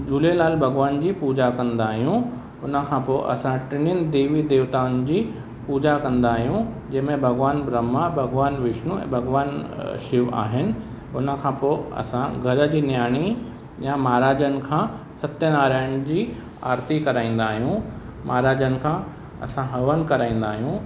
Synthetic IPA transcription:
d͡ʑuːlelaːlbʱɐɡʋaːnd͡ʑiːpuːd͡ʑakɐ̃nd̪aːɦijũ | ʊnə̆kʰãːpoːʔɐ̰sãʈɪnɪn̆d̪eːʋid̪eːʋt̪aːnd͡ʑiː | puːd͡ʑakɐ̃nd̪aːɦijũd͡ʑɐ̃ɦɪmẽbʱɐɡʋaːnbɾəmabʱɐɡʋaːnʋɪʃnuɛ̰̃ːbʱɐɡʋaːnʃɪʋa̰ːɦɪnɪ̆ | ʊnə̆kʰãːpoːɐ̰sãɡʱɐɾə̆d͡ʑiːnjaːɽ̃i | jãmaːɾaːd͡ʑənɪ̆kʰãː | sɐt̪jənaːɾaːɽ̃ɪ̆d͡ʑiː | a̰ːɾt̪ikɐɾaːĩːn̆d̪aːɦijũ | maːɾaːd͡ʑənɪ̆kʰãː | ɐ̰sãɦɐʋən̆kɐɾaːĩːn̆d̪aːɦijũ

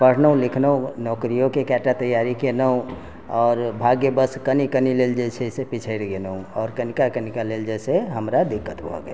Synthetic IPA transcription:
pəɾ̤ʰnəũlɪkʰnəũnɔːkɾijokekɛʈat̪əjːaɾikenəũ | ɔːɾbʱaɡjebəskənikənileld͡ʒesʰesepit͡ʃʰəɪɽɡenəũɔːɾkənikakənikaleld͡ʒeseɦəmɾad̪ɪkːət̪bʱɔ̰ɡəe

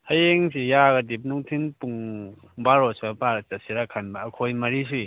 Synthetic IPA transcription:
hajeŋsijaɡadip̬̚nuŋtʰinpuŋ | baɾosmapaɾt͡ʃasiɾakʰanbaːkʰojmɐɾis̬uj

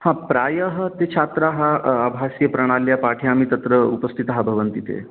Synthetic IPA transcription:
hãpɾajəɦət̪et͡ʃʰat̪ɾaɦaəbʱasjəpɾɐɽ̃aljapaʈʰjaamiːt̪ɐt̪ɾəupəst̪ʰit̪əɦabʱəʋənt̪it̪ḛ

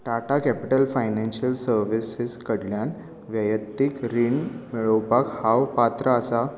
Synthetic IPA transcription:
ʈaʈakɛpiʈəlfajnɛnɕəlsəɾʋisiskəɽljan | ʋjəjət̪ːikɾiɳmiɭəwpakhawpat̪ɾəːsa

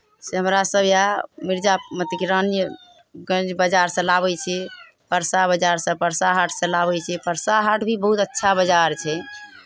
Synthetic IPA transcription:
seɦəmɾasəbʱjamiɾd͡ʒamət̪ikɾənjə | ɡə̃nd͡ʒbəd͡ʒaɾsə̃laβɛt͡ʃʰɛ | pəɾsabəd͡ʒaɾsə̃pəɾsaɦaʈʰsə̃laβɛt͡ʃʰɛpəɾsaɦaʈʰbʱibəɦut̪ətːʃʰabəd͡ʒaɾt͡ʃʰɛ

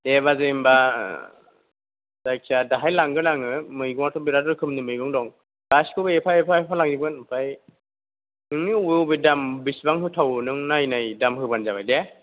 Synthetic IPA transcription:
deβazɯimba | z̥ajkʰiadaɦajlaŋɡɯlaŋɯmɯjɡɔŋaɾtʰɔbiɾadɔɾkʰɯmnɯmɯjɡɔŋdɔŋ | b̥askʰɯbeepʰaepʰaepʰalaŋzibɯnpʰaj | nɯŋiubjwbɯdambisbaŋɦɯtʰawnɯŋnajnajdamhɯbanzabajde

